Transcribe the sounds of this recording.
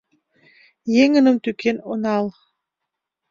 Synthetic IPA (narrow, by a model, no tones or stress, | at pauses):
jeŋə̆nə̆mt̪ykenonɑl